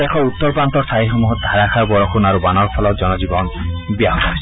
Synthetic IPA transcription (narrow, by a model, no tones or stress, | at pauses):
ekʰɔut̪ːɔɹpant̪ɔɾsaɦixɔmuɦɔt̪̚d̪ʱaɾakʰaɾbɔɹɔkʰunaɾubanɔɹpʰɔlɔd͡ʒɔnɔd͡ʒibɔnbiaɦɔt̪ɔɦɔjs